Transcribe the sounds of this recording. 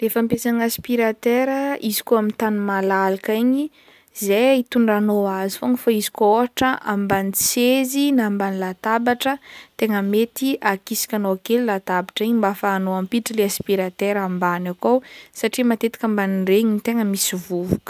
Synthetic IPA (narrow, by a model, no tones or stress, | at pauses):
lefampesaŋaspiɾat̪eɾəizi̥koamint̪animalalakaɲi | zeit̪uɳɖ͡ʐanoazifoŋəfaizi̥kooɦaʈ͡ʂəʔambanit͡sezinambanilat̪abaʈ͡ʂət̪eŋəmet̪iʔakisi̥kʲanoakelilat̪abaʈ͡ʂiɲimbafaːnoampiʈ͡ʂəleaspiɾat̪eɾambanakowsaʈ͡ʂimat̪et̪i̥kambanireɲinit̪eŋəmisivuvukə̥